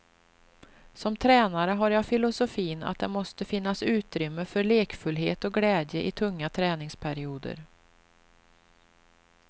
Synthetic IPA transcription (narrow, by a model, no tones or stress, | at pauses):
sɔmt̪ʰɾɛːnaɾəɦaɾjafɪlʊsʊfiːna̰t̪̚d̪ɛmɔst̪əfɪn̪ːasʉ̟ːt̪ɾʏmːəfœɾɭeːkfɵlɦeːt̪ɔɡlɛːd̪jəʔɪt̪ʰɵŋːat̪ʰɾɛːnɪŋspʰæɾɪuːd̪ə̰ɾ